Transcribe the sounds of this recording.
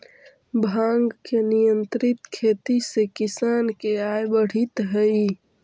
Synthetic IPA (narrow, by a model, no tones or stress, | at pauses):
bʱãːŋɡkenijənt̪ɾɪt̪kʰeːt̪isekɪsaːnkeaːjbəɽ̤it̪ɦəi